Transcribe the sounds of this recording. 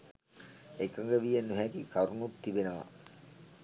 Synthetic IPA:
ekəŋɡəʋijenːuɦæk̪ikaɾunut̪ːibenəʋɐ̰

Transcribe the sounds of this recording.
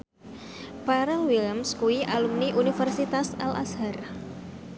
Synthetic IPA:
paɾɛlwiləmskuiʔalumniʔunifərsit̪asɛlʔa̰shar

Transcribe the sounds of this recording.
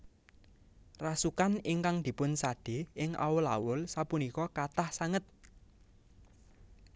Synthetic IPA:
rasukaniŋkaŋd̪̥i̤pʊnsaɖ̥e̤ɪŋʔa̰wʊla̰wʊlsapunikɔkat̪ahsaŋət̪̚

